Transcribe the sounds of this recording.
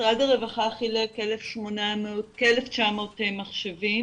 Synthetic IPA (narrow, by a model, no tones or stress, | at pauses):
ʁadaʁevaχaχilekelefʃmonamekeleft͡ʃamotemaχʃevim